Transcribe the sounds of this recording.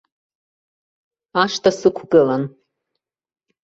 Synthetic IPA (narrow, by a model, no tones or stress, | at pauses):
aʂtʰasɨkʷʰɡɨlan